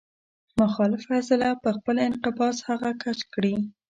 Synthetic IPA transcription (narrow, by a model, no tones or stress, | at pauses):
mʊxɑlɪfasɪlapəxpəlɪnqɪbɑshaɣakat͡ʃkɽi